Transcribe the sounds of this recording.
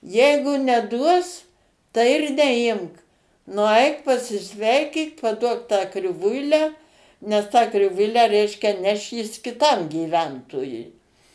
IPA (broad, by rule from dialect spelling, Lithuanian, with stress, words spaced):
ˈjɛɪɡʊ nʲɛˈduɔs tɐɪ ɪr nʲɛˈɪmk nʊˈɐɪk pɐsʲɪˈsʲʋʲɛɪkʲiːk pɐˈduɔk tɑː krʲɪˈʋʊɪlʲæː nʲɛs tɑː krʲɪˈʋʊɪlʲæː ˈrʲɛɪʃʲkʲɛ ˈnʲɛʃ jɪs kʲɪˈtɐm ɡʲiːˈʋʲɛntoːjʊɪ